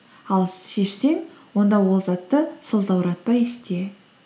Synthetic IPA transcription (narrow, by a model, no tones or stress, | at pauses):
ɑlˠʃe̞ʃse̞ŋwo̞nd̪ɑwo̞lˠzɑt̪ːəsəlˠd̪ɑwəɾɑt̪̚pɑjest̪e̞